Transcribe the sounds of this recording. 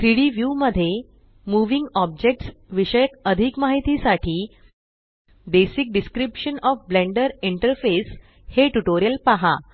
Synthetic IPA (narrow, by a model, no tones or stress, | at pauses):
kɾiɽiʋjuməd̪ʱːje | muʋĩŋɡɔb̚d͡ʑek̚ʈsʋiɕəjəkəd̪ʱikmaɦit̪isaʈʰiː | d̪esik̚ɖiskɾipɕənɔfblẽɳɖəɾiɳʈəɾfes | heʈuʈoɾijəlpaɦa